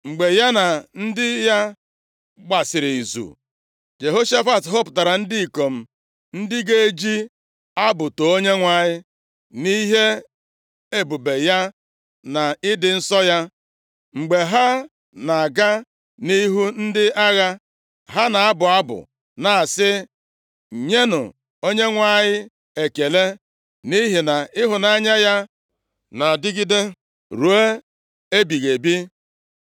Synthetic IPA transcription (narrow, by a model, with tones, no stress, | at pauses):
ŋ͡m̩˨ɡ͡be˨ja˦na˨n̩˦dɪ˦ja˦ | ɡ͡ba˨sɪ˨ɾi˨zṵ˨ | d͡ʒe˨ɦo˦ʃa˦fa˨tɦo˦pʊ̥˨ta˨ɾa˨n̩˦di˦i˨ko˨m̩˨ | n̩˦dɪ˦ɡe˦e˦d͡ʒi˦ | a˦bʊ˨to˨o˦ɲe˦ŋʷa˨ɲɪ˦ | ni˦ɦe˦ | e˦bu˨be˨ja˦ | na˨ɪ˦dɪ˨n̩˦sɔ˦ja˦ | ŋ͡m̩˨ɡ͡be˨ɦa˦ | na˨a˨ɡa˦ | ni˦ɦu˦n̩˦dɪ˦a˦ɣa˦ | ɦa˦na˨a˦bʊ˨a˦bʊ̰˨ | na˨sɪ˦˨ | ɲe˦nʊ̰˨ | o˦ɲe˦ŋʷa˦˨ɲɪ˦ | e˨ke˨le˦ | ni˦ɦi˨na˨ɪ˦ɦʊ˨na˨˦ɲa˦ja˦ | na˨dɪ˦ɡi˦de˦ | ɾu˨e˦ | e˦bi˨ɣe˨bi˦